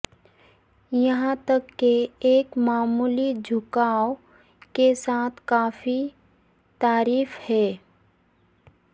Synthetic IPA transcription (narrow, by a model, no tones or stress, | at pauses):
jɐɦãt̪əkːeeːkmaːmuːlid͡ʒʱʊkaːo | kesaːt̪ʰkaːfi | t̪aːɾiːfhɛː